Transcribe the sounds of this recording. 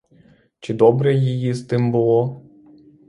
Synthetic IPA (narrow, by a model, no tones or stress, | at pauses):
t͡ʃɪd̪ɔbɾɛjijist̪ɨmbʊlˠɔ